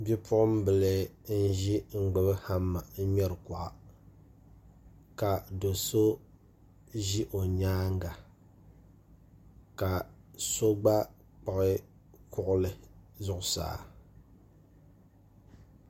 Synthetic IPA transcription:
bi˦pʰʊ˦ʔʊ˦m˦bɨ˨lɨ˨n̩˦ʒi˦ŋ͡m̩˨ɡ͡bɨ˨bɨ˦ha˦mːa˨n̩˦ɲɛ˦ɾɨ˨ka˨ʔa˨ | ka˨do˨so˦ | ʒi˦ʔo˨ɲaː˦ŋ˦ɡa˨ | ka˨so˦ɡ͡ba˦ | k͡pa˨ʔɪ˦ | kʰʊ˦ʔʊ˦lɨ˨zʊ˦ʔʊ˦sa̰ː˨˦˨

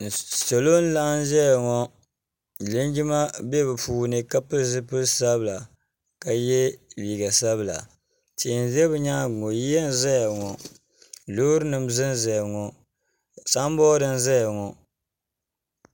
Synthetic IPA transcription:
so˨lo˦n̩˦la˦ʔn˦ʒɛ˦ja˨ŋɔ˦˨ | lɨ˦n˦d͡ʒi˦ma˦bɛ˦bɛ˨puː˦nɨ˦ka˦pɨ˦zɨ˦pɨ˦lsa˦bla˨ | ka˨jɛ˦liː˨ɡa˨sa˦βɨ˨la̰˨ | ti˨n˨zɛ˦bɨ˨˦ɲaː˦ɡo˨ji˦jɛ˦n̩˦zɛ˦ja˨ŋɔ˨ | lo˦ɾnɨ˨mzɨ˦n˦zɛ˨ja˨ŋɔ˨ | sa˦m˦bɔː˦dɨ˦n̩˦za˦ja˨ŋɔ˨

